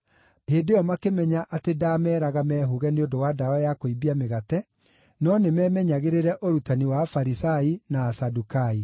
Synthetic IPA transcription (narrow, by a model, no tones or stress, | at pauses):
heːdeɔmakemɛɲaʔatedaːmɛːɾaɣamɛːɦoɣɛneondowadawajakoibiameɣatɛ | nɔnemɛːmɛɲaɣeɾeɾɛʔoɾutaniwafaɾisainaːsadukai